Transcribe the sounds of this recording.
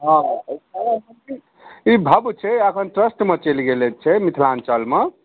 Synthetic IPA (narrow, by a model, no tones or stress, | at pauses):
ɦã | mni | ibʱəbt͡ʃʰɛəkʰənʈɾəsʈmet͡ʃelɡelet̪̚t͡ʃʰɛmit̪ʰlant͡ʃəlme